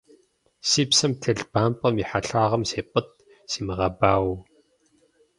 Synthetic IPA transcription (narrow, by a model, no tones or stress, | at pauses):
siːpsɐmtʰɨɮb̥aːmpʼɐmiːħaɬaːʁɐmseːpʼɨt̚ | siːmɨʁɐbaːw